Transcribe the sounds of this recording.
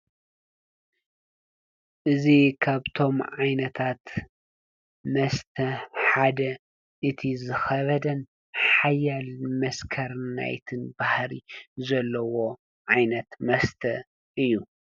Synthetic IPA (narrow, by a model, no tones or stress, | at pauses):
ʔɨzikʰaβt̪ʰo̞mʕajnɐt̪ʰat̪ | mɐst̪ʰɐħad̪ɐ | ʔɨt̪ʰizɨxɐβɐd̪ɐn | ħħajːalmɐskʰɐɾna̰jt̪ʰɨnbahɾizɐlːɐwo | ʕajnɐt̪mɐst̪ʰɐ | ʔɨjːu